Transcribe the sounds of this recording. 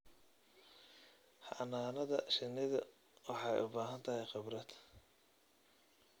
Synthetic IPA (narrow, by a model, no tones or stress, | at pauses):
hɑ̰ʔnaːnɐðɐʃɪnɪðɐ | wɑħɑjʔʊbaːɦɐnt̪ʰɐɦɛjqɪbrɐd̪